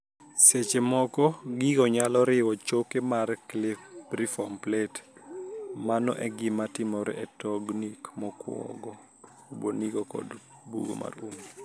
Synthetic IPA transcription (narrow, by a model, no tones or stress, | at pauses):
set͡ʃemɔkɔɡiɡɔɲalɔɾɪwɔt͡ʃokemarklɪrifɔmplɛt | manɔ̰ʔɛɡɪmatɪmɔɾɛtɔɡnikmɔkwɔ̰ɡɔ | uboniɡɔkɔ̰dbṵɡo̰mʔa̰rum